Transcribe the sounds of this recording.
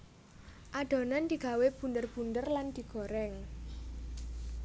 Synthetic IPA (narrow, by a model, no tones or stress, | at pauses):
ʔaɖ̪̥ɔ̤nand̪̥i̤ɡ̥a̤web̥ṳnd̪ərb̥und̪ərland̪̥i̤ɡ̥ɔ̤ɾɛŋ